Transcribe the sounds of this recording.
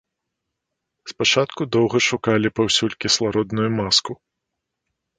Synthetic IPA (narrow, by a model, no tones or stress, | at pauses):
spat͡ʂat̪kud̪ɔwɣɐʂukalʲipawsʲulʲkʲislˠaɾɔd̪nujumasku